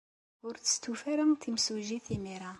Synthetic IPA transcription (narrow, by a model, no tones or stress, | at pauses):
ʊɾt͡sə̥st̪ufæɾəmt̪imsuʒiθimiɾa